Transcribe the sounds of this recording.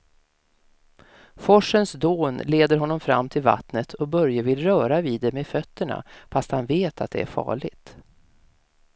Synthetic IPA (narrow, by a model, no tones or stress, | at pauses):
fɔʂənsd̪oːnleːd̪əɾɦɔnːɔmfɾa̰mːt̪ʰɪlva̰t̪nət̪ʰɔbœɾjavɪlɾœːɾaviːd̪ːɛmeːfœt̪ːəɳa̰fast̪hanveːt̪ʰa̰t̪̚d̪ɛ̰æɾfɑ̰ːɭɪɡt̪